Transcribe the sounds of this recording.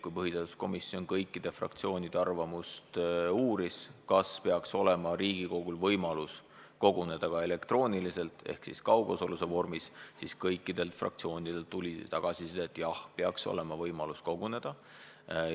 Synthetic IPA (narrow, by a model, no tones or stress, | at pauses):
kujpɤɦit̪et̪u̥sko̞misːio̞nkɤjkːˑid̪̥e̞frɑ̰kt̪sio̞ːnʲid̪̥e̞ɑrvɑmust̪uːɾiskɑspe̞ɑkso̞le̞mɑɾiːɡ̥iko̞ɡ̥ulvɤjmɑlus | ko̞ɡ̥une̞d̪̥ɑkɑe̞le̞kt̪ro̞ːnʲilise̞lt̪ˑḛhksḭskɑwɡ̥o̞so̞lusevo̞rmissiskɤjkˑːid̪̥e̞lt̪frɑ̰k̚t̪sio̞ːnid̪̥e̞lt̪ːulʲit̪ɑɡ̥ɑsised̪ɑet̪ːˑjɑhpeɑkso̞̰le̞mɑvɤjmɑlusko̞ɡ̥une̞d̪̥ɑ